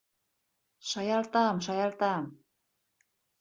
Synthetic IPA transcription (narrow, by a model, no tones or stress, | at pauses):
ʃɑjɑlt̪ɑmʃɑjɑlt̪ɑm